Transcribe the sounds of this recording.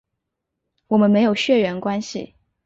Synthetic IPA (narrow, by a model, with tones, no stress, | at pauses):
wɔ˨˩mə˦nme˧˥ɪjo˨˩ʊɕɥɛ˥˩ɥɛ˧˥nkwa˥nɕḭ˨